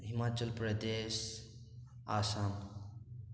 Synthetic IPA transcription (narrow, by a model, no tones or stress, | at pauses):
ɦimaːt͡ʃəlpɾɐd̪eːʃ | aːsaːm